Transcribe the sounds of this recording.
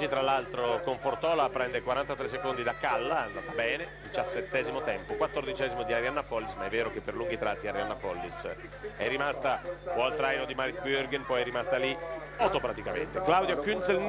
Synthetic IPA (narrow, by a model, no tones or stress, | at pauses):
it̪ɾalːalt̪ɾokoɱfort̪ɔːlapɾɛnd̪ekwaɾant̪at̪ɾesːekond̪id̪akːalːaand̪aːt̪abɛːned̪it͡ʃasːet̪ːɛːzimot̪ɛmpokwat̪ːord̪it͡ʃɛːzimod̪iaɾianːafɔlːismaɛvːɛːɾokepːerluŋɡit̪ɾat̪ːiaɾjanːafɔlːis | ɛ̰rːimast̪akɔlt̪ɾajnod̪imaɾit̪byɾɡɛnpɔjɛrːimast̪ali | at̪opɾat̪ikamḛnt̪eklawd̪jokynsel